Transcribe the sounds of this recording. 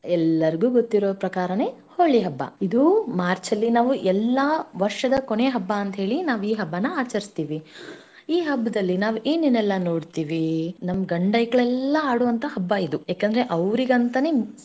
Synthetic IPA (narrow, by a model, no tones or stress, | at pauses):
ɛlːɐɾiɡuːɡot̪ːiɾoːpɾɐkaːɾɐne̞ːhoɭːiɦɐbːɐ̰id̪umaːɾt͡ʃɐlːinaːʋuʔɛlːɐʋɐɾʂɐd̪ɐkone̞ːɦɐbːaɐnt̪ɐɦeːɭinaːʋuiːɦɐbːɐnːɐaːt͡ʃɐɾist̪iːʋi | iːɦɐbːɐd̪ɐlːinaːʋuʔeːninːɛlːɐnoːɽt̪iːʋinɐmːɐɡɐɳɖɐjkɐɭɛlːɐaːɽuːʋɐnt̪ʰɐhɐbːɐid̪ujaːkend̪ɾe̞ʔɐʋɾiɡɐnt̪ɐne